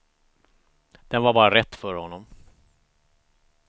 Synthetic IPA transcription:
d̪̥ɛnvaɾbɑːɾaɾɛt̪ːfœɾhɔnːɔm

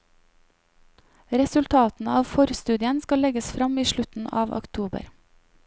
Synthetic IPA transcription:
ɾɛsʉlt̪ʰɑːt̪n̩əɑːʋfɔɾst̪ʉːd̪ɪənskɑlɛɡəsfɾɑmiːʃɭʉt̪n̩ɑ̰ːʋɔ̰kt̪ʰuːbə̰ɾ

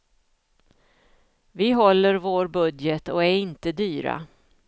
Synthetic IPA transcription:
vɪɦɔlːəɾvoːɾbɵd̪jət̪ɔæɾɪnt̪əd̪yːɾa̰

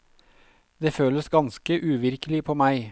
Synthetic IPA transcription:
d̪eːføːləsɡɑnskəʔʉːʋɪɾkəlɪpʰoːmæɪ

